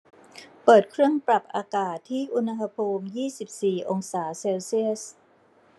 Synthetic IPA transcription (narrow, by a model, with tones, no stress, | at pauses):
pɤː˨˩t̪̚kʰɾɯ˥˩əŋpɾa˨˩p̚ʔa̰ː˧kaː˨˩t̪ʰːiː˥˩ʔu˧na˧ɦa˧pʰuː˧mjiː˥˩si˨˩p̚siː˨˩ʔo˧ŋsaː˩˦seː˧wsi˥˩əs̚